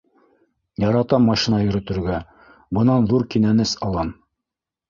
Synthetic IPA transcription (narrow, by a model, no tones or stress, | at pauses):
jɑɾɑt̪ɑmːɑʃinɑjɵ̆ɾɵ̆t̪ɘ̆ɾɡæ | bɤ̆nɑnðuɾkinænɘsɑlˠɑm